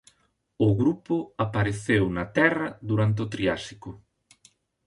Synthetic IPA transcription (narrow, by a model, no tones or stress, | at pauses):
ʊɣɾupʊapaɾeθewnɐt̪ɛrɐðuɾant̪̬eot̪ɾiasi̥kʊ